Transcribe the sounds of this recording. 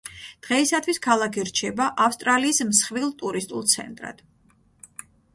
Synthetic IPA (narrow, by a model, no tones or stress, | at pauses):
d̪̥ʁɛisat̪ʰwiskʰalˠakʰiɾt͡ʃʰɛbaʔafst̪ʼɾaliːsmsχvilˠt̪ʼuɾist̪ʼulˠt̪sʰɛ̰nt̪ʼɾa̰d̪̥